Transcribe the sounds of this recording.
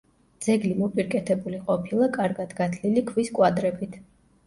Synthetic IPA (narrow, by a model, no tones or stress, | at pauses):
d̪z̥ɛɡlimɔpʼiɾkʼɛt̪ʰɛbuliqʼɔpʰilˠakʼaɾɡad̪ɡat̪ʰlilikʰviskʼwad̪ɾɛbit̪ʰ